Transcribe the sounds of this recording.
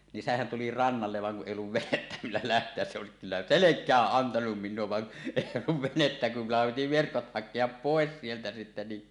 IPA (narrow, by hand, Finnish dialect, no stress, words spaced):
nin sehæn tuli rɑnːɑlːeʋ ʋɑŋ kuʔ ʔeˑij olːuʋ ʋenetːæ milːæ læhtˑeæs se oˑesik kylːæ selekˑæːʔ ʔɑntɑnum miˑnˑuo ʋɑn eˑij olːuʋ ʋenetːæ kum mulːɑhɑm piti ʋerkot hɑkˑeɑp poˑes sieltæ sitːe ni